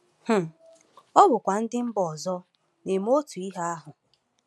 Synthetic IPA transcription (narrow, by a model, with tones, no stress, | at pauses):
h̩˨ | ɔ˦bʊ˨kʷa˨n̩˦dɪ˦m̩˦bɔ˨zɔ˦ | ne˨m˦o˦tu˨i˦ɦa˦a˦ɦʊ˨